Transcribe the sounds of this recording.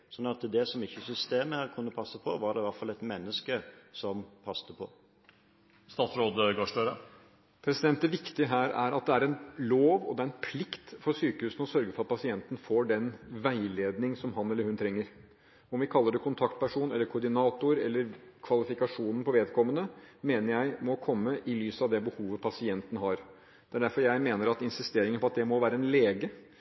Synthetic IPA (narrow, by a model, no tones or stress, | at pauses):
sɔnːɑt̪d̪ɛsɔmɪçːəsʏst̪eːməhæɾkʰʉnːəpʰɑsːəpʰɔʋɑɾdɛʋæɾʈfɑlɛt̪mɛnːəskəsɔmpʰɑst̪əpʰɔ | st̪ɑːt̪sɾoːd̪ɡɑʂløːɾə | pʰɾɛsɪd̪ɛnt̪d̪ɛʋɪkt̪ɪəɦæːɾæ̰ɾɑt̪̚d̪ɛæɾɛnloːʋɔd̪ɛæɾɛnpʰlɪkt̪fɔɾsyːkəhʉːsən̩ɔsœɾɡəfɔɾɑt̪̚pɑsɪɛnt̪ənəfoːɖɛnʋæɪleːd̪nɪŋsɔmɦɑnɛlːəɾhʉnt̪ʰɾɛŋːəɾ | ɔmʋɪkʰɑlːəɖɛkʰʊnt̪ʰɑkt̪̚pæʂuːnɛlːəɾkʰʊɖɪnɑːt̪ʊɾɛ̰lːəɾkʰʋɑlɪfɪkɑʂuːnn̩pʰɔʋeːd̪kʰɔmːənəmeːnəɾjæɪmɔkʰɔmːəʔɪlyːsəɑʋd̪ɛbəhuːʋəpʰɑsɪɛnt̪n̩ɦɑɾ | d̪ɛæɖæɾfɔɾjæɪmeːnəɾɑt̪ɪnsɪst̪eːɾɪŋənpɔɑt̪̚d̪ɛmɔʋæːɾəɛnleːɡə